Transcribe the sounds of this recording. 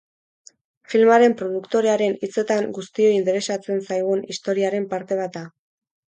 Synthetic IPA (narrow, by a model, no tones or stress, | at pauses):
filmaɾe̞mpɾo̞ð̞ukt̪o̞ɾe̞aɾe̞nit͡se̞t̪aŋɡust̪io̞int̪e̞ɾe̞sat͡se̞nsajɣ̞unist̪o̞ɾiaɾe̞mpaɾt̪e̞β̞at̪̚a